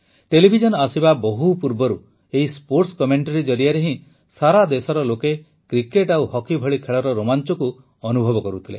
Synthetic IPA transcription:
ʈelibʱid͡ʒɔnasibabɔɦupuɾbɔɾu | eɦispoɾʈskɔmeɳʈaɾid͡ʒɔɾijaɾeɦĩ | saɾad̪esɔɾɔloke | kɾikeʈawhɔkibʱɔɭikʰeɭɔɾɔɾomant͡ʃɔku | ɔnubʱɔbɔkɔɾut̪ʰilḛ

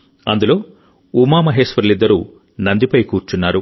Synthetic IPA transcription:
ɐ̰nd̪ulo̞ː | umaːmɐɦeːsʋɐɾulid̪ːɐɾṵ | nɐnd̪ipɐjkuːɾt͡ʃunːaːɾu

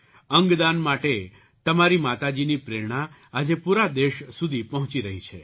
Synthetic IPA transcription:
əŋɡd̪anmaʈe | t̪əmaɾimat̪ad͡ʒinipɾeɾɽ̃aː | d͡ʒepuɾad̪eʃsud̪ʱipəɦɔ̃t͡ʃiɾəɦit͡ʃʰe

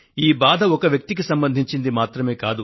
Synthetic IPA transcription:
iːbaːd̪ʱɐɔkɐʋjɐk̚t̪ik̬isɐmbɐnd̪ʱiɲt͡ʃind̪imaːt̪ɾɐme̞ːkaːd̪u

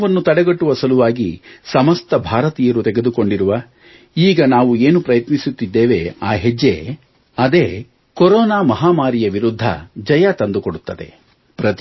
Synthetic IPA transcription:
ʋɐnːut̪ɐɽɛɡɐʈːuʋɐsɐluʋaːɡisɐmɐst̪ɐbʱaːɾɐt̪iːjɐɾut̪ɛɡe̞d̪uko̞ɳɖiɾuʋa | iːɡɐnaːʋueːnupɾɐjɐt̪nisut̪ːid̪ːeːʋe̞aːɦed͡ʒːḛ | ɐd̪e̞ː | koɾɔːnaːmɐɦaːmaːɾijɐʋiɾud̪ʱːɐ̰d͡ʒɐjat̪ɐnd̪ukoɽut̪ːɐd̪e̞̰ | pɾɐt̪

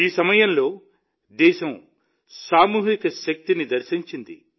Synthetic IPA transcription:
iːsɐmɐjɐmlo̞ː | d̪ɛːʃɐm | saːmuːɦikɐʃɐk̚t̪inid̪ɐɾʃiɲt͡ʃind̪ḭ

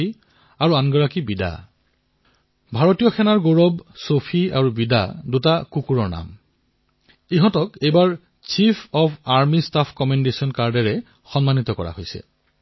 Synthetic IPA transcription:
i | aɹuanɡɔɹakibida̰ | bʱaɹotijɔxʰɛnaɹɡoɹɔbsopʰia̰ɹubida̰dutakukuɹɔɹna̰m | iɦɔ̃tɔkejbaɹ | t͡ʃipʰɔpʰaɹmistapʰkɔmɛndesiɔnkaɹdɛɹɛ | xɔnmanit̪ɔkɔ̰ɹa̰hojsɛ̰

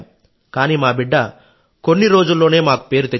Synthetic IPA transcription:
kaːniːmaːbiɖːɐ | konːiɾo̞ːd͡ʒulːoːneːmaːku̥pe̞ːɾut̪e

